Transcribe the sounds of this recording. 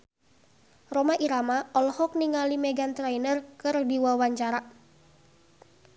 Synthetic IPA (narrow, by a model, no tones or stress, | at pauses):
romaʔiɾamaɔlɔhɔk̚niŋalimɛɡant̪ɾajnərkɨrdiwawaɲt͡ʃaɾa